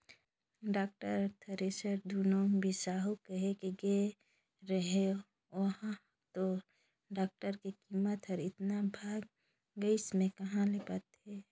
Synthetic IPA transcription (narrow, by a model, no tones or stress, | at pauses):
ɖaːk̚ʈəɾt̪ʰəɾesəɾd̪uːnobʱisaːɦukəɦekeɡe | ɾəɦe | ʋəɦã | t̪o | ɖaːk̚ʈəɾkekimət̪ɦəɾɪt̪nabʱaːɡ | ɡəismẽkɐɦãlepət̪ɦɛ